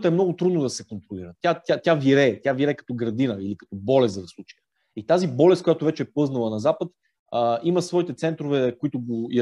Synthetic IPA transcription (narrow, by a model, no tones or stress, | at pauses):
t̪əɛmnɔɡʊt̪ɾud̪nod̪ɐsɛkont̪ɾoliɾət̪ʲjat̪jat̪ʲaviɾɛt̪ʲjaviɾɛkɐ̥t̪ɔɡɾɐd̪inəilikɐ̥t̪ɔbɔlɛst̪d̪ɐslˠut͡ʃi̥j | it̪azibɔlɛst̪kʊjat̪ʊvɛt͡ʃɛɛpɤznəlˠənɐzapət̪ | əiməsvɔit̪ɛt̪sɛnt̪ɾovɛkoit̪ʊɡoj